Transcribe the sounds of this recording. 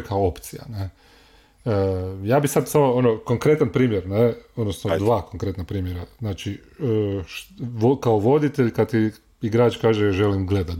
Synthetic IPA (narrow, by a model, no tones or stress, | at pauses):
kʰaoopt̪sija̰ne | jaːbisad̪samo̞onoko̞ŋkɾe̞t̪anpɾiːmjeɾneod̪nosnod̪ʋaːko̞ŋkɾe̞t̪napɾiːmjeɾaznaːt͡ʃi | ʃokaoʋo̞d̪it̪e̞ʎkad̪t̪i | iɡɾaːt͡ʃkaːʒeʒe̞limɡle̞d̪at̪